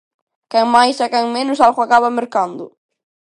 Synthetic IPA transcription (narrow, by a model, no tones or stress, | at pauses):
kɛŋmajsakɛŋmenʊs̬alɣoakaβameɾkand̪ʊ̰